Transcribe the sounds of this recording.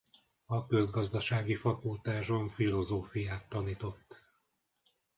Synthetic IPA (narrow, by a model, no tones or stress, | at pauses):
ɒkø̞zɡɒzd̪ɒʃaːɡifɒkult̪aːʒo̞ɱfilo̞zoːfijaːt̪ːɒniːt̪o̞t̪ː